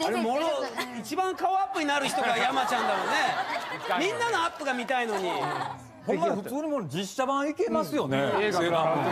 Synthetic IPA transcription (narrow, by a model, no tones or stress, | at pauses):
koɾemoɾoit͡ɕibãŋkaoapːɯ̟ɲ̟inaɾɯ̟çi̥t̪oɡajamat͡ɕãnd̪amone̞ | mʲĩnːanoapːɯɡamʲit̪aino̞ɲ̟i | homːaɸɯ̟t͡sɨːɲ̟imod͡ʑiɕːabãikemasɨjo̞nea